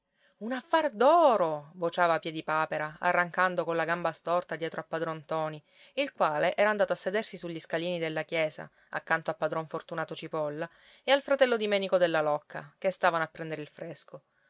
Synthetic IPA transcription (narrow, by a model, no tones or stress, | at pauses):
unafːard̪ɔːɾovot͡ʃaːvapjɛːd̪ipaːpeɾaa̰rːaŋkand̪okolaɡambast̪ɔrt̪ad̪jɛːt̪ɾʔoapːad̪ɾɔnt̪ɔːni | ilkwaːleʔɛːɾaːnd̪aːt̪oasːed̪ersisuʎːiskaliːnid̪elːakjɛːsa̰ | a̰kːant̪oapːad̪ɾɔɱfort̪unaːt̪ot͡ʃipɔlːa | ealfɾat̪ɛlːod̪imɛːnikod̪elːalɔkːa̰kest̪aːvanoapːɾɛnd̪eɾɪilfɾesko